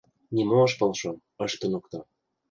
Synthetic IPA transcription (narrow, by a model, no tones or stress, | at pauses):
nimoəʃpɤlʃo | ə̆ʃt̪ə̆nukt̪ɑ